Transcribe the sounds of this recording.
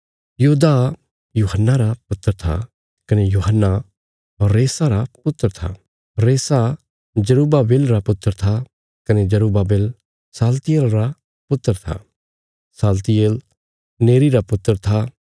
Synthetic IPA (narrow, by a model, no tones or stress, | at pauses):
juːd̪a | juːɦənːaɾapʊt̪ːəɾt̪ʰa̰ | kɐnejuːɦənːa | ɔɾːeːsaɾapʊt̪ːəɾt̪ʰa̰ | ɾeːsa | d͡ʒɐɾuːbabeːlɾapʊt̪ːəɾt̪ʰa | kɐned͡ʒɐɾuːbabeːl | saːlt̪ɪjeːlɾa | pʊt̪ːəɾt̪ʰa̰ | saːlt̪ɪjeːl | neːɾiɾapʊt̪ːəɾt̪ʰa